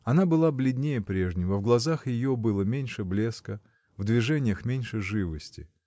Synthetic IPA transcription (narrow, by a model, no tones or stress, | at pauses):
ɐnabɨlˠablʲɪd̪ʲnʲejəpɾʲe̞ʐnʲɪvəvɡlˠɐzaxjɪjobɨlˠəmʲenʲʂɨblʲe̞skə | vd̪vʲɪʐɛnʲɪjəxmʲenʲʂɨʐɨvəsʲtʲɪ̰